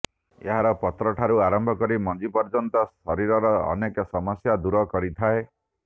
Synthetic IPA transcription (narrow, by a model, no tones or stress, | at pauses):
eɦaɾɔpɔt̪ɾɔʈʰaɾuaɾɔmbʱɔkɔɾimɔd͡ʒipɔɾd͡ʒɔnt̪ɔsɔɾiɾɔɾɔ̰ːnekɔsɔmɔsjad̪uɾɔkɔɾit̪ʰae